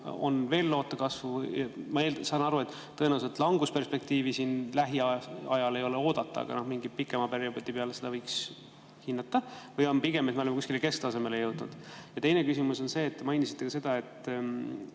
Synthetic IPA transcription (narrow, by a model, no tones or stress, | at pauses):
o̞̰nve̞ːlːo̞ːt̪ːˑɑkɑsvumɑelsɑnɑɾue̞t̪ˑːɤ̞enæwselt̪ːˑlɑŋɡuspe̞rspe̞k̚t̪iːvisinlæɦiɑɑjɑle̞jo̞leo̞ːd̪̥ɑt̪ːˑɑ̰ɑ̰ɡ̥ɑ̰no̞hmiŋɡipikːˑemɑperjɑbot̪ʲːipeɑlesed̪̥ɑvɤjks | hinːɑt̪ːˑɑvɤjo̞npiɡe̞met̪meolemːkusʲkileke̞st̪ɑse̞me̞lejɤwd̪̥nṵd̪̥jɑt̪e̞jne̞kysimuso̞nse̞ːt̪ːe̞mɑjnisi̥t̪ːekɑse̞d̪̥ɑe̞t̪ː